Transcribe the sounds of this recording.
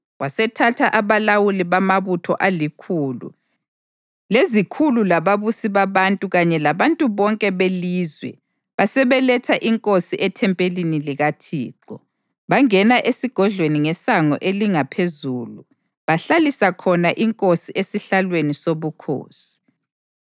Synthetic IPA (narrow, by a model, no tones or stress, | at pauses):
wasɛtʰatʰaʔaβalawuliβamaβutʰɔʔalikʰuːlṵ | lezikʰululaβaβusiβaβantʼuɣaɲɛlaβantʼuβɔŋkʼɛβeliːzwɛ̰ | βasɛβɛlɛtʰaʔiŋkʼosiʔɛtʰɛmpʼeliniliɣatʰḭːǃɔ | βaŋɛnaʔesiɡ̥ʱɔɮweniŋɛsaŋɔ̰ʔeliŋapʰezuːlu | βaɬalisakʰɔnaʔiŋkʼosiʔesiɬalwenisoβukʰo̰ːsi̥